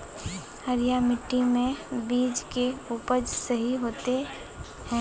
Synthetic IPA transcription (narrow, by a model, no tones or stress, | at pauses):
həɾijamɪʈːimẽbiːd͡ʒkeuːpəɾd͡ʒsəɦiɦoːt̪e | hɛ̃ː